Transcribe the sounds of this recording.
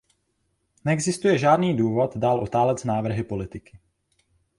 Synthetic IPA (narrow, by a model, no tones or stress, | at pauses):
nɛɡzɪst̪ujɛʒaːdniːduːvo̞t̪daːlʔot̪aːlɛt͡snaːvr̩ɦɪpo̞lɪt̪ɪkɪ̥